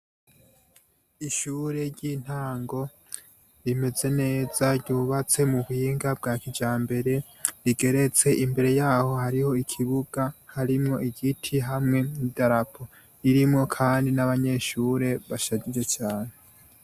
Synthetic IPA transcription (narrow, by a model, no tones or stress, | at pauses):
iʃuːɾe̞ɾɟin̥haːŋɡo̞ | ɾime̞ze̞ne̞ːz̥aɾɟuːβat͡se̞muβhiːŋɡabɡaːkid͡ʒaːmbe̞ɾe̞ | ɾiɡe̞ɾe̞t͡se̞ʔimbe̞ɾe̞jaːho̞haɾiho̞ikʰiβuɡahaɾimŋo̞iɡitʰiɦamŋe̞nidaɾapʰo̞ | iɾimŋo̞kʰaːndinaβaɲe̞ʃuɾe̞βaʃaɟid͡ʒet͡ʃaːne̞